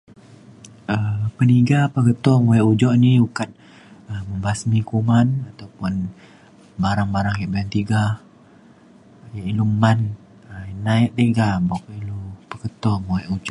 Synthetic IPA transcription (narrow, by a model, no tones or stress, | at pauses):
əpəniɡapəkət̪ɔmujɛʔud͡ʒɔʔniukat̪̚ | əməmbasmikumanat̪awpʊn | baɾaŋbaɾaŋkaʔbajaŋt̪iɡa | jaʔiluman | ənaɛʔt̪eɡabakəilupəkət̪ɔmojɛʔud͡ʒɔʔ